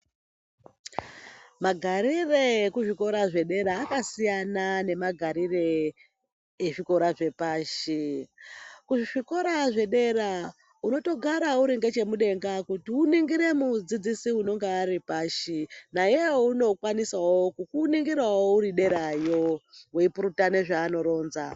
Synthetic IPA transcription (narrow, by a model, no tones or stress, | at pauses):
maɡʱaɾire̞kuʐiko̞ɾaʐe̞ɗe̞ɾaːkasijanane̞maɡʱaɾire̞ | ʐiko̞ɾaʐe̞paːʃi | kuʐiʐiko̞ɾaʐe̞ɗe̞ɾa | uno̞to̞ɡʱaɾauɾiŋɡe̞t͡ʃe̞muɗe̞ŋɡakutiuniŋɡiɾe̞mud͡zid͡zisiuno̞ŋɡeːɾipaːʃinajeouno̞kwanisawokukuniŋɡiɾwawouɾiɗe̞ɾajo̞weipuɾutane̞ʐaːno̞ɾo̞ːnza